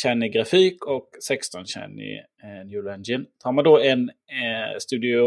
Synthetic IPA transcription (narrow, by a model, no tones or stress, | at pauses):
ɕɛnːɪɡɾafiːkɔksɛkst̪ɔnɕɛ̰nɪ̰ | njʉːlɛnd͡ʒɪnt̪ʰɑːɾmand̪ɔɛn | st̪ʉ̟ːd̪ɪʊ